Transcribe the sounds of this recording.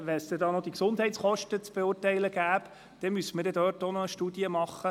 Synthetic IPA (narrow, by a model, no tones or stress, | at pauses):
ʋɛnsd̥̪ɛd̪ɑːnɔd̥̪iksʊnd̥ɦɛɪtt͡sχɔʃtət͡sb̥eʊrtɛɪləɡ̥æːp | d̥ɛmysəməɾd̥ɛdøːrtonɔəʃtuːd̥iəmɑχːə